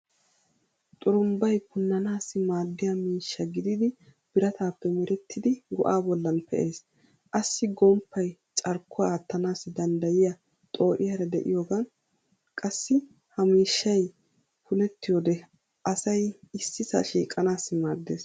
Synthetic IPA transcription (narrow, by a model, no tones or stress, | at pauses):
t̪ʼʊɾʊmbɐjkʊnːɐnaːsːɪmaːd̪ːɪjɐmiːʃːɐɡɪd̪ɪd̪ɪb̥ɪɾɐt̪aːpːɛmɪɾɛt̪ːɪd̪ɪɡɔʔaːbɔlːɐnpʰɛʔe̞ːs | ʔɐsːɪɡɔmpːɐjt͡ʃʼɐɾkʰːɔaːt̪ːɐnaːsːɪd̪ɐnd̪ɐjɪjɐ | t̪ʼo̞ːʔɪjɐɾɐd̪ɛʔɪ̰joːɡɐn | kʼɐsːɪ | hɐmiːʃːɐj | pʊlɛt̪ːɪjod̪ɛ | ʔɐsɐjɪsːɪsɐ̰ʃiːkʼːɐnaːsːɪmaːd̪ːeːs